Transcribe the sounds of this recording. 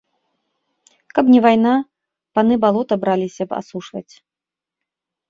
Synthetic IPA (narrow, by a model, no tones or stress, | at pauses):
kɐpnʲɛvajna | panɨbalˠɔt̪ɐbɾalʲisʲɐba̰suʂvɐ̰t͡sʲ